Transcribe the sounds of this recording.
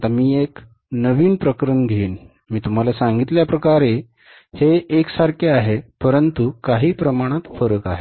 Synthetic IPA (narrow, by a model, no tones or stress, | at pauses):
t̪amiːek | nəʋiːnpɾəkɾəɳɡ̪ʱeːn | miːt̪um̤alasãŋɡit̪ljapɾəkaɾe | heːksaɾkʰeaɦepəɾənt̪ukaɦiːpɾəmaɽ̃at̪fəɾəkaɦe